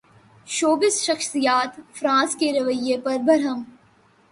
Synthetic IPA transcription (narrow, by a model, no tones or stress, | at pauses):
ʃoːbɪsʃɐxsijaːt̪fɾãːskeɾɐʋəjepɐɾbʱɐɾɦəm